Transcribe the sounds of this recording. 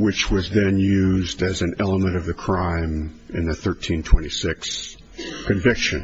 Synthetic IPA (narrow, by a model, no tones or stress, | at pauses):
wɨt͡ʃwʌzðɨ̃njʉzdɨzɨ̃n̩ɛlˠəmɨ̃ɾ̃ʌvðɨkʰɹ̥ãɪ̃m | ɨ̰̃nðɨθɜ˞tʰĩntʰw̥ɛ̃ɾ̃isɪks | kʰɨ̃ɱvɪkʃɨ̰̃n